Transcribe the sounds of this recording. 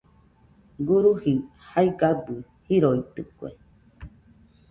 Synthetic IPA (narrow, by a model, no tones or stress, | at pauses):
ɡuɾuhihaiɡabɨ | hiɾoit̪ɨkuḛ